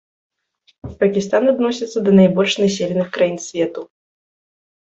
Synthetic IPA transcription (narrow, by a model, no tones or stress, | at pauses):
pɐkʲist̪anad̪nɔsʲɐt̪sːɐd̪ɐnajbɔlʲʂnasʲelʲɪnɨxkɾajinsʲvʲɛt̪u